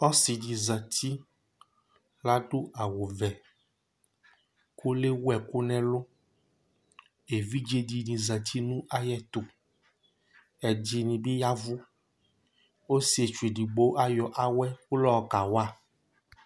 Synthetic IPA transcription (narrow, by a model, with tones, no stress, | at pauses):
ɔ˦si˨dĩ˨zə˨t̪i˦ | la˦ɖo˦a˨wo˨vɛ˨ | ku˦le˦wu˦ɛ˨ku˦nɛ̃˦lo˦ | e˨vi˦d͡ʒe˦di˨nĩ˨zə˨t̪ʰi˦nũ˦a˦jɛ˦t̪o˨ | ɛ˨d͡ʒi˨nĩ˨bi˦ja˦vu˦ | wo˦si˦e˨t͡ʃu˨e˨ɖi˨ɡ͡bo˦ʔa˦jɔ˨ʔa˨wɛ˦ku˦lɔ˦˨ka˨wa˦